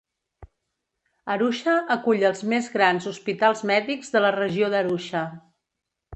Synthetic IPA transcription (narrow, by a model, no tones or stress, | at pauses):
əɾuʃəəkuʎəlˠzmezɣɾanzuspit̪alˠzmɛðiɡzðələrəʒioðəɾuʃə